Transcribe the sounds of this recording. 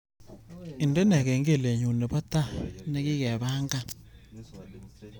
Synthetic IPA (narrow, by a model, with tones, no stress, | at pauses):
ɪ˨ndɛ˦nɛ˨kɛ˨ŋɡe˦˨le˨ɲu˨ne˨pa˦ta˦˨nɛ˦kɪ˦kɛ˨βa˦ŋɡa˦